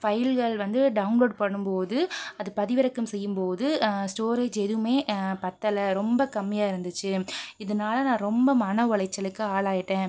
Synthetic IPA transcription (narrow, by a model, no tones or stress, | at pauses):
fɐjlɣɐɭʋɐnd̪ɯɖɐʊnloːɖpɐɳːɯmpoːðɯɐðɯpɐðɪʋɪɾɐkːɯmsɛjːɯmpoːðɯsʈoːɾeːd͡ʒɛðɯmeːpɐt̪ːɐlɐɾɔmbɐkɐmːɪjaːɪɾɯnd̪ɯt͡ʃːɯɪðɐnaːlɐnãːɾɔmbɐmɐnɐʋɐɭɐɪt͡ʃːɐlɯkːɯaːɭaːjɪʈːẽː